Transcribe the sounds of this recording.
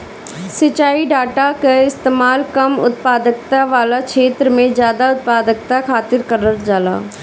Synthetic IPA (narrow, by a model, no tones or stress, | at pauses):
sɪt͡ʃaːiɖaːʈakeɪst̪eːmaːlkɐmʊ̰t̪̚paːd̪ək̚t̪aʋaːlakʃeːt̪ɾəmẽzjaːd̪aʊt̪̚paːd̪ək̚t̪akʰaːt̪ɪɾkəɾəɾd͡ʒaːla̰ː